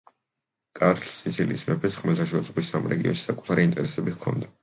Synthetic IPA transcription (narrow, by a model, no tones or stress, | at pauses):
kʼaɾt̪ʰlsit̪sʰiliːsmɛpʰɛsχmɛlt̪ʰaʃ̬ɛd̪zʁwisamɾɛ̰ɡiɔ̰nʃi̥sakʼu̥t̪ʰaɾint̪ʼɛɾɛsɛbikʰɔ̰nd̪a